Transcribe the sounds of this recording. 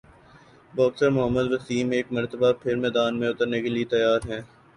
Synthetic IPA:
bɔːksəɾmʊɦəmːəd̪ʋɐsiːmeːk̚mɐɾt̪əbapʰɪɾmɛːd̪aːnmẽʊt̪əɾnekeliet̪ɐjaːɾɦɛ̃ː

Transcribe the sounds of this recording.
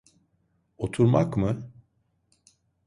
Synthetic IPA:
o̞t̪ʰuɾmakmɯ

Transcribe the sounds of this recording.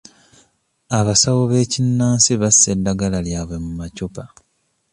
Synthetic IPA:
aβasawoβe̞ːcinːaːnsiβasːe̞dːaɡalaljaːβwe̞mumacopa

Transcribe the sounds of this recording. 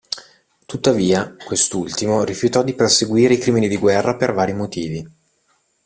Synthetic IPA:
t̪ut̪ːaviːakwest̪ult̪imoɾifjut̪ɔd̪iperseɡwiːɾeikɾiːminid̪iɡwɛrːapervaːɾimot̪iːvi

